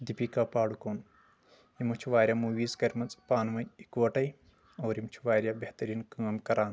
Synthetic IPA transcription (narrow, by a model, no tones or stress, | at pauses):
d̪ipikaːpaːɽukoːn | imut͡ʃʰuʋaːɾʲjaːmuʋiːzkɐɾʲmɐt͡sʼpaːnʋɐnʲikʋɐʈɐj | ɐwɾimt͡ʃʰuʋaːɾʲjaːbeht̪ɐɾiːnkaːmkɐɾaːn